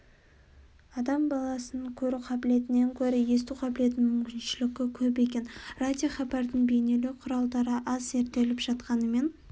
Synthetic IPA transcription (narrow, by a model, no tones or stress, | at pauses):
ɑd̪ɑmbɑlˠɑsənkʲʰɵɾɪqʰɑbɪle̞t̪ɪne̞ŋkʲʰɵɾɪje̞s̬t̪uqʰɑbɪle̞t̪ɪnmʏmkʲɪnʃɪlɪɡʲɪkʲʰɵp̬e̞kʲe̞nrad̪ʲijoχɑbɑɾd̪əɴbe̞jne̞leqʰʊɾɑlˠd̪ɑɾəʔɑze̞ɾt̪e̞lɪpʒ̥ɑt̪qɑnəme̞n